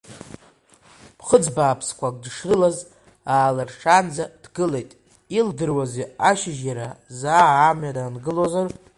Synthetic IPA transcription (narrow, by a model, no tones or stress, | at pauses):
pʰχəd͡zbaːpʰskʷakʼdʂrɨlaz | aːlarʂʰand͡zad̥ɡɨle̞jtʼ | ildɨrwazeaʃɪʒjaɾazaːmɥadanɡɨlozar